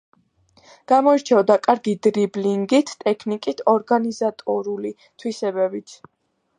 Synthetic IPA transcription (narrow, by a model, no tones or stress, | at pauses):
ɡ̥amɔiɾt͡ʃʰɛvd̪akʼaɾɡid̪ɾibliŋɡit̪ʰt̪ʼɛkʰnikʼit̪ʰɔɾɡanizat̪ʼɔɾuli | t̪ʰwisɛbɛbit̪ʰ